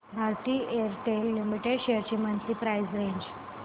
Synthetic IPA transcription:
bʱaɾt̪iːeɾʈelːimiʈeɖɕeɾt͡ɕimənt̪ɾiːpɾajzɾẽɲd͡ʑ

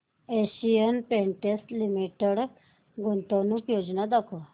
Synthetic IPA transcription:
eɕijənpẽɳʈesʈlimiʈeɽ | ɡont̪əʋnukjod͡ʑnad̪akʰɔ

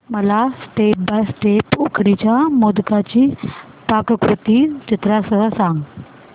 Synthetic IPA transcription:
məlasʈepbasʈepukʰɽit͡ɕjamod̪kat͡ɕiː | pakəkɾut̪iːt͡ɕit̪ɾasəɦəsaŋɡ

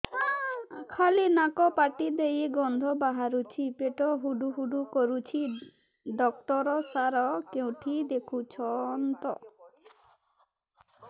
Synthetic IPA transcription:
kʰalinakɔpaʈid̪ejeɡɔnd̪ʱɔbaɦaɾut͡ʃʰipeʈɔɦuɖuɦuɖukɔɾut͡ʃʰi | ɖɔk̚ʈɔɾɔsaɾɔkew̃ʈʰid̪ekʰut͡ʃʰɔnt̪ɔ

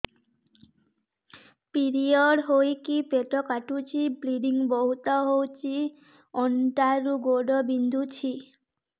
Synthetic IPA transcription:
piɾioɖɦojkipeʈɔkaʈut͡ɕʰibliɖiŋbɔɦut̪ɔɦowt͡ɕʰi | ɔɳʈaɾuɡoɖɔbind̪ʱut͡ɕʰi

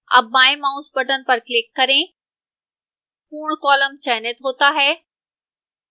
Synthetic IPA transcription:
ɐ̰bãːẽmãːuspəʈənɪ̆pɐɾklɪkːɐɾẽ | puːɽkɔːləmt͡ɕɛːnet̪ɦoːt̪aɦɛː

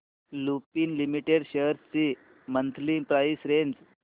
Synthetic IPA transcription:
lupiːnlimiʈeɽɕeɦɾt͡si | mənt̪ʰlipɾajsɾend͡z

